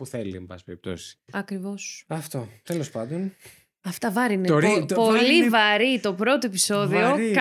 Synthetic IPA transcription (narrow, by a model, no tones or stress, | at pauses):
puθeliɐmbɐ̰speɾip̚t̪o̞̰si̥sɐkɾivo̞sɐft̪ot̪elo̞spɐnd̪on | ɐft̪ɐvɐɾiineopo̞livɐɾit̪o̞pɾo̞t̪oe̞piso̞ðio̞k